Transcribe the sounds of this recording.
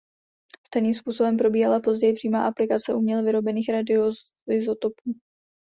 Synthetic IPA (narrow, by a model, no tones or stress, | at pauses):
st̪ɛjniːmspuːso̞bɛmpɾo̞biːɦalapo̞zɟɛjɪpr̥iːmaːʔaplɪkat͡sɛʔumɲɛlvɪɾo̞bɛniːxɾadɪo | ɪzot̪opuː